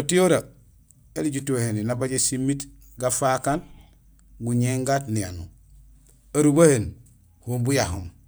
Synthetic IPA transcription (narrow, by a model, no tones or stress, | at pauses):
otijoɾa | eliɟutoheninabaɟesimːit | ɡafakan | ɡuɲeŋɡaːtnija̰nṵ | aɾubahen | humbujahṵm